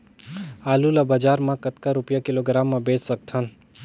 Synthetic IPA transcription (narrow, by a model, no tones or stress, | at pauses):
aːlulabad͡ʒaːɾmãkɐt̪kaɾʊpjakɪloːɡɾaːmːãbeːt͡ʃsɐk̚t̪ʰən